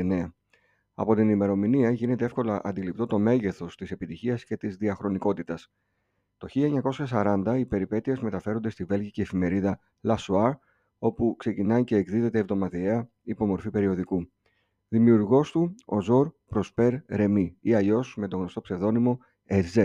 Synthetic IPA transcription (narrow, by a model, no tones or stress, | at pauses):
neɐ | ɐ̰po̞t̪inime̞ɾo̞miniɐʝine̞t̪ee̞fko̞lɐʔɐ̰nd̪ilip̚t̪o̞t̪o̞me̞ʝe̞θo̞st̪ise̞pit̪içiɐsce̞t̪izðiɐxɾo̞niko̞t̪it̪ɐs | t̪o̞çiʎɐeɲɐko̞sçɐs̬ɐɾɐnd̪ɐipe̞ɾipe̞t̪ie̞zme̞t̪ɐfe̞ɾo̞nd̪e̞st̪ive̞lʝiceːfime̞ɾiðɐ | lɐsuɐɾ | o̞pukse̞cinɐjce̞ːkðiðe̞t̪e̞ːvðo̞mɐðieɐ | ipo̞mo̞ɾfipe̞ɾio̞ðiku | ðimiuɾɣo̞st̪uo̞̰zo̞ɾpɾo̞spe̞ɾɾe̞miiɐʎo̞sme̞t̪o̞ɣno̞st̪o̞pse̞ðo̞nimo̞ | eze